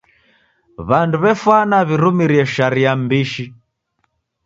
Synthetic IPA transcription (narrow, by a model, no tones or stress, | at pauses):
βanduβɛfwanaβiɾumiɾiɛʃaɾiambiʃi